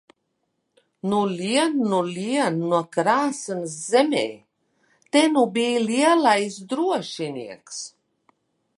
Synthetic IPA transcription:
nulʲiɛnːulʲiɛnnuɔkɾaːsɨnɨszɛmʲɛ̰ː | t̪enubiːlʲiɛlajsd̪ɾuɔʃinʲḭɛks

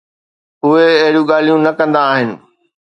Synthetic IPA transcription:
ʊeɐɦɪɽjũɡaːl̤ijũnɐkɐ̃nd̪aːɦɪnɪ̆

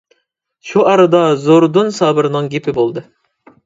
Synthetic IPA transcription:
ʃuʔɑɾɨd̪ɑzoɾd̪unsɑːbɨɾnɨŋɡʲepʰɪbolˠd̪ɨ

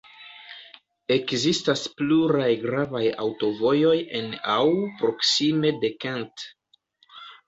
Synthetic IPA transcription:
e̞kzistaspluɾajɡɾavaja̰wto̞vo̞jo̞je̞nawpɾo̞ksime̞de̞kant

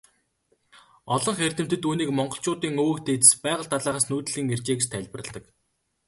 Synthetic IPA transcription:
ɔɮɞ̆ŋχer̥ʲt̪ɘ̆m̥t̪ɘ̆t̪uːniːkmɔɴɢɞ̆ɬt͡ɕʊːt̪iːŋoːɵ̆kt̪ʰeːt͡s̪ɘ̥̆spæːʁə̆ɬt̪ʰaɮaːʁaːsnuːt̪̆ɮiːŋert͡ɕeːkt͡ɕt̪ʰæɮʲpə̆rə̆ɮt̪ə̆k

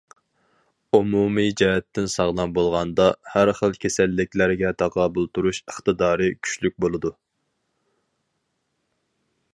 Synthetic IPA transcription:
umumid͡ʒɛɦɛt̪ːɪnsɑʁlˠɑnbolˠʁɑnd̪ɑhæɾχəlˠkʲʰesɛlːɪkʲlæɾɪɡʲɛt̪ʰɑqɑːbulˠt̪uɾuʃəχt̪ɨd̪ɑːɾɨkʲʰy̥ʃlyk̚ʲbolˠɨd̪u

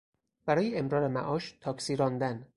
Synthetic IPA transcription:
b̥æɾɒːjeemɾɒːɾemæʔɒːʃt̪ʰɒːkʰsiːɾɒːnd̪æn

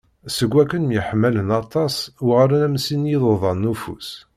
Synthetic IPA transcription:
səɡʷːækːənmjəħəmːælənɑt̪ˤɑswʁɾænæmsinjiðˤoðˤɑnːufṵs

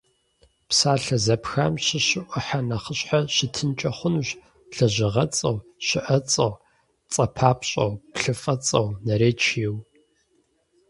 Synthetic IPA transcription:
psaːɬɐzɐpxa̰mɕɪɕɪʔʷʊħanɐχəɕħaɕɪtʰɨnt͡ʃʼɐχʷʊnuɕ | ɬɐʑɪʁɐt͡sʼɐwɕɪʔɐt͡sʼɐw | t͡sʼɐpʰaːpɕʼɐ̰wpɬɨfʼɐt͡sʼɐwnɐɾeːt͡ʃʰiːw

